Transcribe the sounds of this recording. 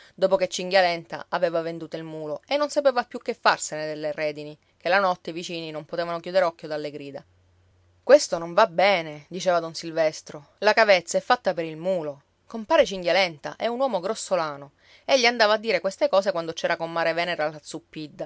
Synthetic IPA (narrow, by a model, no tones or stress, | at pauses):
d̪oːpoket͡ʃːiŋɡjalɛnt̪a̰ʔaveːvavend̪uːt̪oilmuːloenːonsapeːvapjukːefːarsened̪elːerɛːd̪ini | kelanɔt̪ːeivit͡ʃiːninompot̪eːvanokjuːd̪eɾeɔkːjod̪alːeɡɾiːd̪a | kwest̪onoɱvabɛːned̪it͡ʃeːvad̪onsilvɛst̪ɾo | lakavet̪sːaɛfːat̪ːapeɾilmuːlo | kompaːɾet͡ʃiŋɡjalɛnt̪a̰ʔɛunwɔːmoɡɾosːolaːno | eʎːiand̪aːvaːd̪ːiːɾekwest̪ekɔːsekwand̪ot͡ʃɛːɾakomːaːɾevɛːneɾalːat̪sːupːid̪ːa